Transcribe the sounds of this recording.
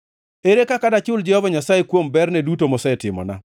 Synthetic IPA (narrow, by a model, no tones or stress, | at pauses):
eɾekakadat͡ʃʊld͡ʒɛhɔvaɲasajekwombɛrnɛdutomɔsɛtɪmɔ̰na̰